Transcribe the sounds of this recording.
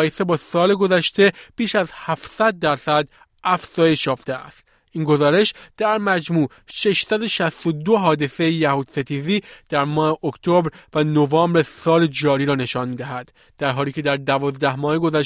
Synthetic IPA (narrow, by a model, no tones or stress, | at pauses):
jese̞bɒːsɒːle̞ɡo̞zæʃt̪e̞b̥iːʃæzhæfsæd̪̚ːæɾsæd̪ | æfz̥ɒːje̞ʃjɒːft̪eæ̰st̪ | iːnɡo̞zɒːɾe̞ʃd̪̥æɾmæd͡ʒmuː | ʃe̞ʃsæd̪o̞ʃæst̪o̞d̪oɦɒːd̪e̞se̞jejæhuːd̪set̪ʰiːziːd̪̥æɾmɒːhe̞ʔokt̪ʰobɾvænovɒːmbɾesɒːle̞d͡ʒɒːɾiːɾɒːne̞ʃɒːnmiːd̪æɦæd̪̥ːæɾɦɒːliːcʰe̞d̪æɾd̪ævɒːzd̪æhmɒːheɡo̞zæʃ